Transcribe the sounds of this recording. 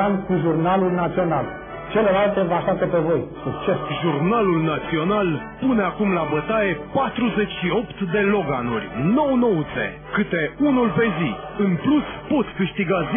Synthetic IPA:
amkuʒurnalulnat̪sio̞nal | t͡ʃe̞le̞lalt̪e̞vaʃant̪e̞pevo̞jsuk̚t͡ʃesʒurnalulnat̪sio̞nal | pune̞akumlabət̪ae̞pat̪ɾuze̞t͡ʃʲʃio̞pt̪d̪e̞lo̞ɡanṵrʲno̞wno̞wusḛ | kɨt̪e̞unulpe̞zi | ɨnpluspo̞t̪sʲkɨʃt̪iɡaz

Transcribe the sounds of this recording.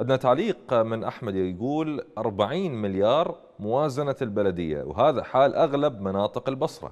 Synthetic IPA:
ʔɪd̪nat̪aʕliːqmɪnʔaħmad̪jɡuːlʔɑɾˤbaʕiːnmɪljɑːɾˤ | mʊwaːzanalbalad̪ɪjːa̰wɦaːðaħaːlʔaɣlabmanɑːt̪ˤɨqɪlbɑsˤɾˤɑ̰

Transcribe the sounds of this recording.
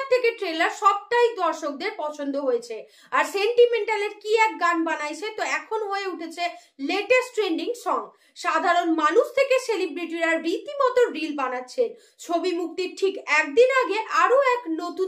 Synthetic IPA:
t̪ʰːekeʈɾelaɾʃɔb̚ʈ̪ajd̪ɔɾʃok̚d̪eɾpɔt͡ɕʰond̪oɦojet͡ɕʰe | aɾseɳʈimeɳʈaleɾkiɛk̚ɡanbanajt͡ɕʰet̪oɛkʰonoɦoeuʈʰet͡ɕʰeleʈesʈɾeɳɖiŋsɔŋ | ʃad̪ʱaɾonmanuʃt̪ʰekeselibɾiʈiɾaɾɾit̪imɔt̪oɾilbanatːɕʰen | t͡ɕʰobimuk̚t̪iɾʈʰikɛk̚d̪inaɡeʔaɾoɛknot̪u

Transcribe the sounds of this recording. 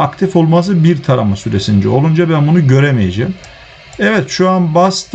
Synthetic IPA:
akt̪ʰifo̞lˠmazɯbiɾt̪ʰaɾa̰masyɾe̞sind͡ʒ̪ɛo̞lˠund͡ʒabænbunuɟø̞ɾemejed͡ʒeːm | ɛvɛt̪ʃuanbast̪

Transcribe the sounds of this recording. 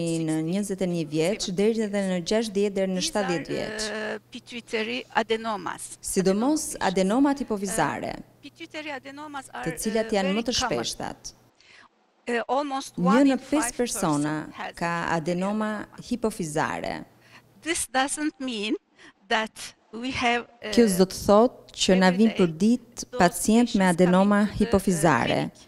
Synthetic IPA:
inəɲəzɛt̪ɛɲəvjɛt͡ʃd̪ɛɾiɛðɛnəd͡ʑaʃ̬t̪ðjɛt̪̚d̪ɛɾnəʃt̪at̪ðjɛt̪vjɛ̰t͡ʃpitʰitʰɛɹiad̪ɛnoma̰ssid̪ɔmɔsa̰d̪ɛnɔmat̪hipɔfiza̰ɾɛ̰pttd̪ət͡silajanmət̪əʃpɛ̰ʃt̪a̰t̪ | ɔlˠmosɲənəpɛspɛɾsɔnakaa̰d̪ɛnɔmahipɔfiza̰ɾɛ̰ | ðɪsdazə̃ntmĩn | ðæt | wivkjɔzd̪ɔt̪ə̥θɔt̪̚cənavinpəɾd̪it̪̚pat͡sjɛnt̪mɛad̪ɛnɔmahipɔfiza̰ɾɛ̰

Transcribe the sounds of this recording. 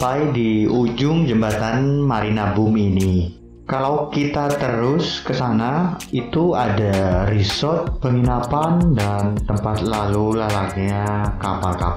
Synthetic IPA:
pajdiud͡ʒʊŋd͡ʒəmbat̪anmaɾinabʊmini | kalawkit̪at̪əɾʊskəsanait̪uadarisɔt̪̚pəŋinapandant̪əmpat̪̚lalulalak̚ɲakapalka̰p

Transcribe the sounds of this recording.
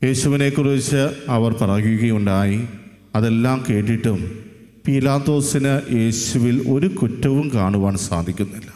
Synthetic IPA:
je̞ːɕuʋine̞kːurit͡ɕːɨɐʋɐrpɐrɐjjuɣɐjuɳɖaːji | ɐðe̞lːaːmke̞ːʈːiʈːum | piːlaːt̪ːo̞ːsinɨjʔe̞ːɕuʋilo̞ɾukutːɐʋumkaːɳuʋaːɳɨsa̰ːd̪ʱikʲːunːilːɐ

